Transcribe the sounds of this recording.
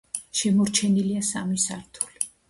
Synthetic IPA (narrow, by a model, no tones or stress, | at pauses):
ʃɛmɔɾt͡ʃʰɛniliasamisaɾt̪ʰu̥li̥